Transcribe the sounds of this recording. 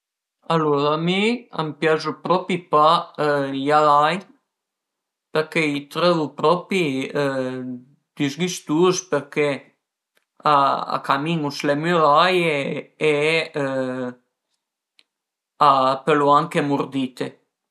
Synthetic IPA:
aluɾamia̰mpjazupɾɔpipa | jaðaj | pɛɾkeit̪ɾɛðupɾɔpi | d̪̥yzɡist̪uspəɾke | aa̰kamiŋuslɛmɔlajeɛ | apeluaŋkɛmuɾd̪it̪e

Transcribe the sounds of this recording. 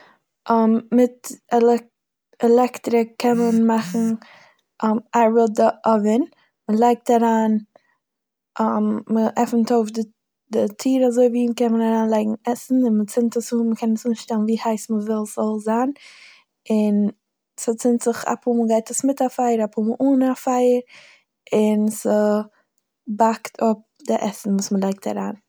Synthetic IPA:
ʔɔmmɪtɛlɛ | ɛlɛktɾɪkʰːɛnmənmaχn̩ | ʔɔmaɾvɔdəʔɔvɪn | məlˠaɪk̚taɾaːn | ɔmməʔɛfn̩toʊfdɪ | dɪtʰiːɾazoɪviːkɛnmənaɾaːnlˠaɪɡŋ̩ɛsn̩ɪnmət͡sɪntəsumməkʰɛnəsuːnʃtɛlˠnviːhaɪsməvɪlˠzɔlˠzan | ɪn | sət͡sɪntz̥ɪχa̰pʰuməlˠɡaɪtəsmɪtafaɪəɾapʰuməʔuːnafaɪəɾ | ɪnsɪ | baktʰʊp̚dɪʔɛsn̩vuːsməlˠaɪk̚tʰa̰ɾa̰ːn

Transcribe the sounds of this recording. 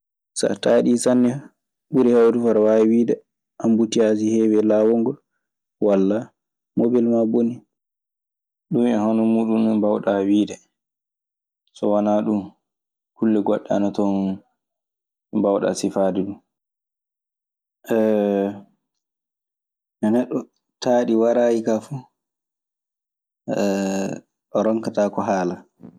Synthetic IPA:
sa̰taːɗisanːɛ | buɾɛhawdufaɾawawiːdɛ | ʔambutiazihɛwɛlawɔŋɡɔ | walːa | mobilmaboni | ɗumɛhɔnɔmuːɗunɗumbawɗawiːdɛ | sɔwanaːɗum | kulːɛɡɔɗːɛaanatɔn | bawɗa̰sifadɛɗum | ʔɛ | ʔɛnɛɗːɔ | taːɗiwaɾajikafu | ɛ | ɗɔɾɔŋkataːkɔɦaːla

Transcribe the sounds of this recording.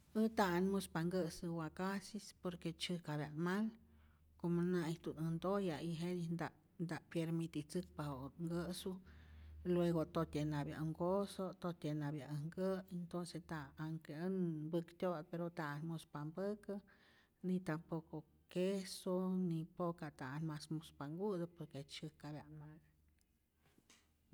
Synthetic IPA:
ɨt̪aanmospaŋɡəsɨwakasispoɾket͡ʃɨkabjanmal | komonait̪unɨnd̪ojaiɦenind̪a | nd̪aʔpjeɾmit̪it͡sɨk̚pahoŋɡəsu | lweɣot̪ot̪enabja̰ʔŋɡosot̪ot̪ʲenabjaʔŋɡəent̪onsest̪aːŋkeənbɨkt̪ʲod̪peɾot̪anmospambəkə | nit̪ampoko | kesonipokat̪anmasmospaŋɡud̪əpoɾket͡ʃɨkabjanmaɡ

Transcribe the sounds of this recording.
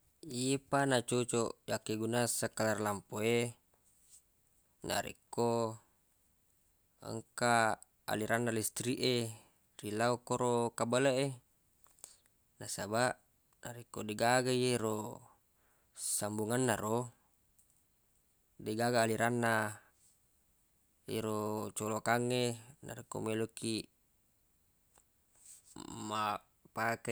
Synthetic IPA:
iepanat͡ʃot͡ʃojakːeɡunasakːalarlampoe | na̰ɾḭkːo | ə̰ŋka | a̰liɾanːalist̪ɾiʔe | rilaokoɾokabalaʔe | nasabaʔ | naɾikodeɡaɡaieɾo | sambuŋanːaɾo | deɡaɡaːliɾanːa | eɾot͡ʃolokaŋːena̰ɾiko̰meloki | ma | pake

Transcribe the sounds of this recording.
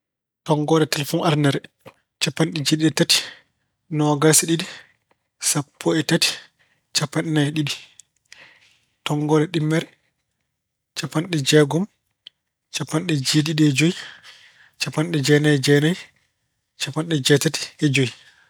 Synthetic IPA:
tɔŋɡɔɗɛtɛlɛfɔnʔaɾnɛɾ | t͡ʃapːanɗɛd͡ʒeɗiɗɛtati̥ | nɔɡalsiɗidi | sapʰːɔɛtati̥ | t͡ʃapːanɛnajɛɗiɗi | tɔŋɡɔɗɛɗimːɛɾɛ | t͡ʃapːanɗɛd͡ʒɛɡɔm | t͡ʃapːanɗɛd͡ʒeɗiɗɛɛd͡ʒoji | t͡ʃapːanɗɛd͡ʒɛnajɛd͡ʒɛnaj | t͡ʃapːanɗɛd͡ʒɛtati̥ɛd͡ʒoji

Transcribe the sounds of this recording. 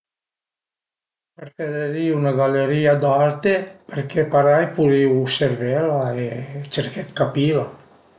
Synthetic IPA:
peɾfeɾeɾiunaɡaleɾiːad̪art̪epeɾkʰepaɾajpuɾiwseɾvɛlaet͡ʃerket̪kapila

